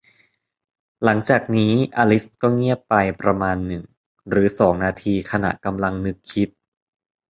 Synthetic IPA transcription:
la˩˦ŋt͡ɕaː˨˩k̚niː˦˥ʔa˧li˦˥skɔː˥˩ŋi˥˩əppa˧jpɾa˧maː˧nːɯ˨˩ŋ | ɾɯː˩˦sɔː˩˦ŋnaː˧t̪ʰiː˧kʰa˧na̰˨˩ʔka˧mla˧ŋnɯ˦˥kʰːi˦˥t̪̚

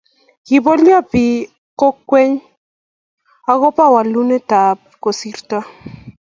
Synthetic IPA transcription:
ki˨bɔ˦lja˦˨pi˨ | ko˦kwe˦ɲ | a˦ɣɔ˦pa˦wa˨lu˦ne˦ta˨p̚ | ko˨si˦ɾta˦

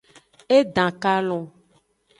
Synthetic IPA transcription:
e˦ɖã˨ka˦lɔ̃˨

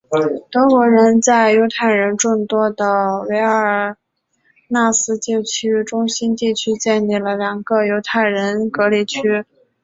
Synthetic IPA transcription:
t̪ɤ˧˥kwɔ˧˥ɻə˧˥nt͡sa˥˩ɪjo˧˥ʊt̪ʰa˥˩ɪɻə˧˥nʈ͡ʂʊ˥˩ŋt̪wɔ˥d̪ə˨we˧˥ɪə˞˨˩ | na˥˩sɹ̩˥t͡ɕjo˥˧t͡ɕʰy˥ʈ͡ʂʊ˥ŋɕi˥nt̪i˥˩t͡ɕʰy˥t͡ɕjɛ˥˧nli˥˩lə˩ljɑ˨˩ŋɡə˧jo˧˥ʊt̪ʰa˥˩ɪɻə˧˥nkɤ˧˥li˧˨˩t͡ɕʰy˥

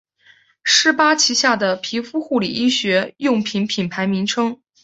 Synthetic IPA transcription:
ʂɻ̩˥˩pa˥t͡ɕʰi˧˥ɕja˥˩d̪ə˩pʰi˧˥fu˥xu˥˩li˨˩i˥ɕɥɛ˧˥jʊ˥˩ŋpʰi˧˥npʰi˨˩npʰa˧˥ɪmi˧˥ŋʈ͡ʂʰɤ˥ŋ

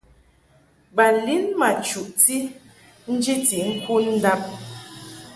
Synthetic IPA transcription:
ba˨li˦nma˨t͡ʃu˨ʔti˦ | n̩˦d͡ʒi˦ti˨ŋ̩˦ku˦n̩˦da˦p̚

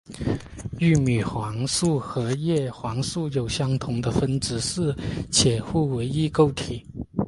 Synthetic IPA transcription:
y˥˩my˨˩xwɑ˧˥ŋsu˥˩xɤ˧˥jɛ˥˩xwɑ˧˥ŋsu˥˩jo˨˩ʊɕjɑ˥ŋt̪ʰʊ˧˥ŋd̪ə˧fə˥nʈ͡ʂɻ̩˧˥sɹ̩˥˩t͡ɕʰjɛ˨˩xu˥˩we˧˥ɪi˥˧ko˥˧ʊt̪ʰi˨˩˦

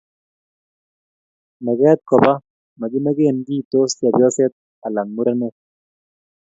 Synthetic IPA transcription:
ma˨ɡɛ˦t̪̚kɔ˨ba˦ | ma˨ɡɪ˦ma˦ɡe˦˨nɡi˦˨t̪o˦sja˨bjɔ˦sɛ˦t̪̚ | a˨la˨ŋmu˦ɾa˦nɛ˦

